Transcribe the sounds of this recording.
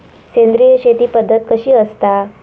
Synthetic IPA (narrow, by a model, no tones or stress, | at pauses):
send̪ɾijəɕet̪iːpəd̪ʱːət̪̚kəɕiːəst̪a